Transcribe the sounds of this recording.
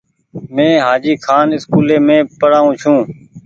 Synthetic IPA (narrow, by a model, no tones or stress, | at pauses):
mẽːɦaːd͡ʒiːkʰaːnɪskuːleːmẽːpəɽaːũːt͡ʃʰũː